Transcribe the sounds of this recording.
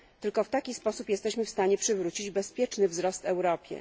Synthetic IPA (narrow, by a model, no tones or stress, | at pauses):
t̪ɘlkɔft̪akʲispɔsupjɛst̪ɛɕmɘfst̪aɲɛpʂɘvɾut͡ɕid͡ʑbɛspʲjɛt͡ʂnɘvzɾɔst̪ɛwɾɔpʲjɛ̰